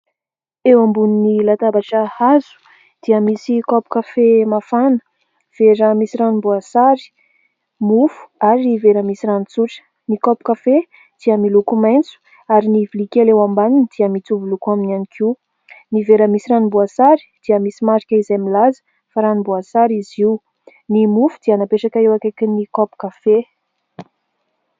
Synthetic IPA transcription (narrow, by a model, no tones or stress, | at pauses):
ewambuninilat̪abaʈ͡ʂəhazu̥ | d̪̥iəmisikɔpu̥kafemafanə̥ | v̥eɾəmisiranimbuasaɾi̥ | mufu̥aɾiniveɾəmisiranit͡suʈ͡ʂə̥ | nikɔpu̥kafe | d̪̥iəmilukumajnt͡su̥ | aɾinivilikelewambanind̪̥iəmit͡s̪uvulukaminanikʰi | niveɾəmisiɾanibuasaɾi̥d̪̥iəmisimaɾikʲəizajmilazə̥ | faɾanibuasaɾiziw | nimufud̪ianapeʈ͡ʂakəewakakinikɔpu̥kafe